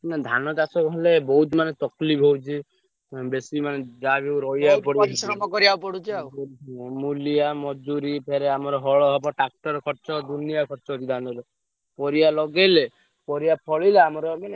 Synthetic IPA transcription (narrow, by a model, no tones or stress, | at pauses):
nad̪ʱanɔd͡ʒasɔkɦelebɔɦut̪manet̪ɔklipɦowt͡ʃʰi | besimaned͡ʒabiuɾɔjapɔɽsɾɔmɔkɔɾiawpɔɽut͡ʃʰaɔmulijamɔd͡ʒuɾipʰeɾeamɔɾɔɦɔɭɔɦɔbɔʈak̚ʈɔɾkʰɔɾt͡ʃɔd̪unijakʰɔɾt͡ʃɔɦot͡ʃʰid̪ʱanɔɾɔ | pɔɾijalɔɡele | pɔɾijapʰɔɭileamɔɾɔmane